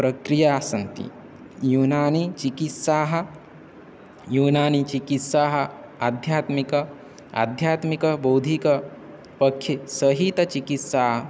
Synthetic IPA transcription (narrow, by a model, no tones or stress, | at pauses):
pɾɐkɾijaːsɐnt̪ḭ | juːnaːnit͡ʃikit̪saːɦɐ̆ | juːnaːnit͡ʃikit̪saːɦɐ̆ | ad̪ʱjaːt̪mikɐ | a̰d̪ʱjaːt̪mikɐboːd̪ʱikɐ | pɐkʰjisɐɦit̪ɐt͡ʃikit̪saːɦɐ